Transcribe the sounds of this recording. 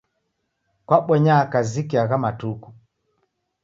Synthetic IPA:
kwaɓɛɲakazikiaɣamatuku

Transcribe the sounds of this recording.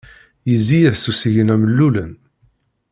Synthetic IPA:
jəzːijæθsusiʝənæməlːulən

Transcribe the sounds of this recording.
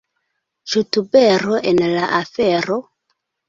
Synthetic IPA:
t͡ʃutubeɾoʔenlaʔafeɾo

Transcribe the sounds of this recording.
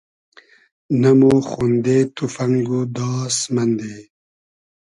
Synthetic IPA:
namoxund̪et̪ʰufɐŋɡud̪ɑːsmɐnd̪e

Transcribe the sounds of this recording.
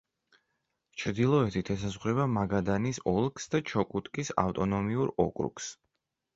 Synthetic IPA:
t͡ʃʰɾd̪ilˠɔɛt̪ʰit̪ʰɛs̬azʁɾɛbamaɡad̪anisɔlˠkʰsd̪at͡ʃʰɔkʼut̪ʼkʼisa̰ft̪ʼɔnɔmiuɾɔ̰kʼɾṵks

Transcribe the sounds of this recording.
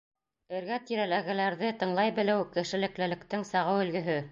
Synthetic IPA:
ɘ̆ɾɡæt̪iɾælæɣɘ̆læɾðɘt̪ɤ̆ɴlˠɑjbɘ̆lɘwkɘ̆ʃɘ̆lɘ̆klɘ̆lɘ̆kt̪ɘŋsɑʁɤwɵ̆lɡɘ̆ɦɵ

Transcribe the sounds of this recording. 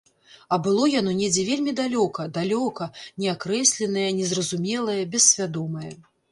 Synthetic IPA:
ɐbɨlˠɔjanɔnʲɛd͡zʲɛvʲelʲmʲid̪alʲɔkɐd̪alʲɔkɐnʲɛakɾɛsʲlʲɛnɐjɐnʲɛzrɐzumʲɛlˠɐjɐbʲɛssʲvʲad̪ɔmɐjɐ

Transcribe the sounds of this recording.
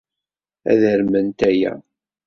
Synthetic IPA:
æ̰ðəɾmənt̪æjæ̰

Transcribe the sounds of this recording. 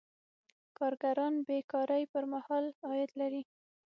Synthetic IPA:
kɑɾɡaɾɑnbekɑɾajpəɾmahɑlɑjɪd̪laɾi

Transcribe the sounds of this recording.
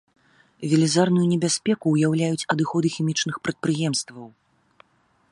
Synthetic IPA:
vʲɛlʲizarnujunʲɛbʲasʲpʲɛkuːjawlʲajut͡sʲɐd̪ɨxɔd̪ɨxʲimʲit͡ʂn̪ɨxpɾɐt̪̚pɾɨjɛmst̪vɐw

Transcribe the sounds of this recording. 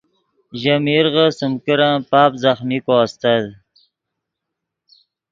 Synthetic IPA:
ʒamiɾʁəsəmkəɾapɑːpzaχmikost̪ad̪

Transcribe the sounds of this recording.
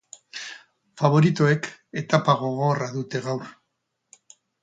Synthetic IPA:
faβ̞o̞ɾit̪o̞e̞ke̞t̪apaɣo̞ɣo̞raðut̪e̞ɣawɾ

